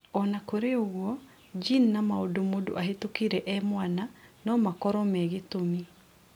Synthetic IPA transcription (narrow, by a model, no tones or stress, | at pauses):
ɔnakoɾeoɣwɔ | d͡ʒinnamaodomodo̰ʔaɦetokiɾɛʔɛmwananɔmakɔɾɔmɛɣetomi